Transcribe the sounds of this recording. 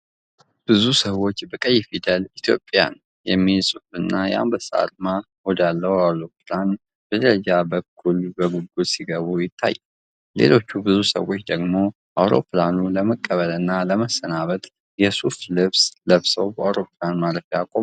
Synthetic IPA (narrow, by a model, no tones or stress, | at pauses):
b̥ɨzusəwo̞t͡ʃːbəkʼəjːfid̪əlit̪ʰjo̞̰pʼja̰n | jɛmːisʼufɨnːaja̰mbəsa̰lma | hod̪alːəwawloplan | b̥əd̪əɾəd͡ʒabəkʰːulbəɡuɡud̪siɡəβujɪt̪ʰːa̰j | le̞̰lo̞t͡ʃːubɨzusə̰wo̞t͡ʃːd̪əɡmo̞ | ʔawɾo̞̰planuləməkʼːəβəlɨnːaləməsənaβət̪ʼ | jɛsuflɨβsləβsəwbəawɾo̞planmaɾəfjakʼo̞m